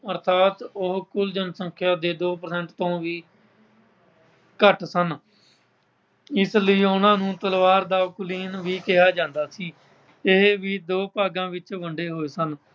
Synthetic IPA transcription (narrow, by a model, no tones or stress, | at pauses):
əɾt̪ʰaːt̪ʊɦkʊld͡ʒənsə̃ŋkʰjaːd̪eːd̪oːpəɾsɛ̃ɳʈt̪õːʋiː | kəʈsən | ɪsləiːʊnãːnũːt̪əlʋaːɾd̪aːkʊliːnʋiːkɪɦaːd͡ʒãːnd̪aːsiː | ɪɦʋiːd̪oːpaːɡãːʋɪt͡ʃʋəɳɖeːɦoːeːsən